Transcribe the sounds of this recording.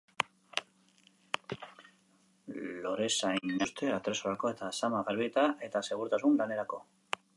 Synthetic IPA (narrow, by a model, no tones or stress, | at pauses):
lo̞ɾe̞saiɲost̪e̞at̪ɾesoɾako̞e̞t̪asamaɣeɾβiet̪aʔe̞t̪ase̞ɣ̞uɾt̪asunlane̞ɾako̞